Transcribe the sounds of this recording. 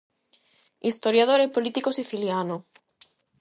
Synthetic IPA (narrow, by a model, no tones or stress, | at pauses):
ist̪oɾjaðoɾepolit̪ikosiθiljano